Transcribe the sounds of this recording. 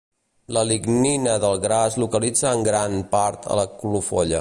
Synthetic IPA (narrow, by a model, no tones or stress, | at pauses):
ləliɡninəðəlˠɣɾazlukəlid͡zəːŋɡɾanpaɾt̪ʰə̰ləkulufɔ̰ʎə